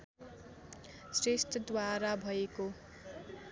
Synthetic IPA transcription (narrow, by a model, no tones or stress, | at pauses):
sresʈ̪ʰʌd̪waɾabʱʌeko